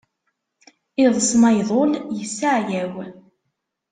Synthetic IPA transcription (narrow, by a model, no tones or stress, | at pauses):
ɪðˤsˤmɑjðˤoljəsːaʕjæw